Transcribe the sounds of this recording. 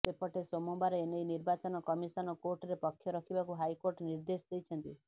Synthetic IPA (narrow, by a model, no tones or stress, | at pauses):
t̪epɔʈesomɔmbaɾeenejniɾbat͡ʃɔnɔkɔmisɔnɔkoɾʈɔɾepɔkʰːjɔɾɔkʰibakuɦajkoɾʈniɾd̪esd̪ejt͡ʃʰɔnt̪i